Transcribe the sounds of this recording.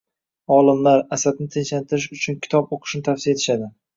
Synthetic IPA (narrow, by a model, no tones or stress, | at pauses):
ɒlˠɪmlaɾasad̪̚nɪt̪ʰenʃlant̪ʰɪɾɪʃʊt͡ʃʰʊnkʲʰɪ̥t̪ʰɒboqʰɨ̥ʃnɪt̪ʰafsijaet̪ʰɪ̥ʃad̪ɪ